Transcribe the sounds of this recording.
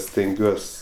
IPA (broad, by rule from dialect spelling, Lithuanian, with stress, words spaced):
sʲtʲɛŋʲˈɡʲuɔs